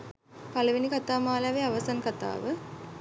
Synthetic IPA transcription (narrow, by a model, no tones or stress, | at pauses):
pɐlɐʋinikɐt̪aːmaːlaʋeɐʋɐsaːnkɐt̪a̰ːʋɨ